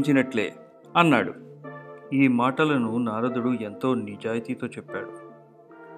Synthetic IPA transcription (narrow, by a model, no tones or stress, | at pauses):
ɲt͡ʃinɐʈlḛː | ɐnːaːɽṵ | iːmaːʈɐlɐnunaːɾɐd̪uɽue̞nt̪o̞ːnid͡ʒaːjt̪iːt̪o̞ːt͡ʃɛpːa̰ːɽu